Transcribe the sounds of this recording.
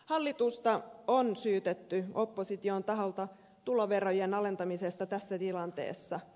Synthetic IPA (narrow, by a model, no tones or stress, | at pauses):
hɑlːit̪ust̪ɑonsyːt̪et̪ːyo̞pːosit̪iont̪ɑɦolt̪ɑ | t̪uloʋerojenɑle̞nt̪ɑmisest̪ɑt̪æsːæt̪ilɑnt̪ḛːsːɑ